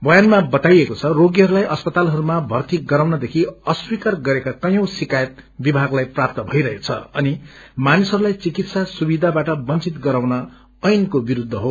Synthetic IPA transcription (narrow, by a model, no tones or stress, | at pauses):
bʌjanmabʌt̪ajekot͡sʰʌroɡiɦʌɾulajʔʌspʌt̪alɦʌɾumabʱʌrt̪iɡʌɾawnʌd̪ekʰiʌswikarɡʌɾekakʌjʌ̃w̃sikajʌt̪̚bibʱaɡlajprap̚t̪ʌbʱʌjɾʌɦekt͡sʰʌ̰ʌnimanisʌɾulajt͡sikit̪sasubid̪ʱabaʈʌbʌnt͡sit̪ɡʌɾaw̃nʌ | ʌjnkobiɾud̪ʱːʌɦo